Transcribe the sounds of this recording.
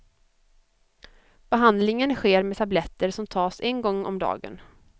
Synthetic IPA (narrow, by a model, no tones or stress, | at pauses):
b̥ɛɦand̪lɪŋənɧeːɾmɛt̪ʰablɛt̪ːəɾʂɔmt̪ʰɑːsɛnɡɔŋːɔ̰md̪ɑ̰ːɡə̰n